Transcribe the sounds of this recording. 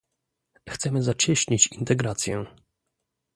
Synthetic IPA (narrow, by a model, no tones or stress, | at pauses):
xt̪sɛmɘzat͡ɕɛɕɲit͡ɕint̪ɛɡɾat̪sʲjɛ